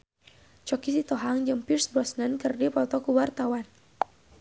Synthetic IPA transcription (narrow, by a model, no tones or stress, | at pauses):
t͡ʃɔkisit̪ɔɦaŋd͡ʒɨmpirsbɾɔsnənkɨrdipɔt̪ɔkuwart̪awan